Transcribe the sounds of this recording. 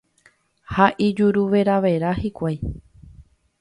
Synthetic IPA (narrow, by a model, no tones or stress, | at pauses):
haʔid͡ʒuɾuʋe̞ɾaʋeɾahikʷaj